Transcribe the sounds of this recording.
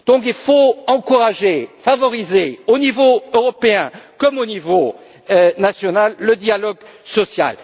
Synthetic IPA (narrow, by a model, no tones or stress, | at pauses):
d̪̥ɔ̃kilfoɑ̃kuʁaʒefavɔʁizeonivoøʁɔpeɛ̃kɔmonivo | ønasjɔnalːəd̪jalɔɡsɔsja̰l